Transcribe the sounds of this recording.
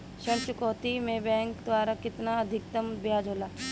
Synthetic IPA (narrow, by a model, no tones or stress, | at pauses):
ʃɐɾt͡ʃʊkoːt̪imẽbɛ̃ːŋkd̪ʋaːɾakɪt̪naɐd̪ʱɪk̚t̪əmbjaːd͡ʒʱoːlaː